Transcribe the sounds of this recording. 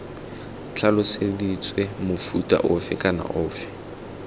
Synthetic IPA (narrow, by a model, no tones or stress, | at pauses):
t͡ɬʰalʊsedit͡sʼwɛmʊfutʼa̰ʔʊfɪkʼana̰ʔʊːfɪ̥